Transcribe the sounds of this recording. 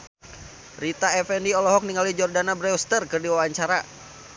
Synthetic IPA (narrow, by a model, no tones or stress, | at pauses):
rit̪aɛfɛndiɔlɔɦɔk̚niŋalid͡ʒɔrdanabɾɛust̪ərkɨrdiwawaɲt͡ʃaɾa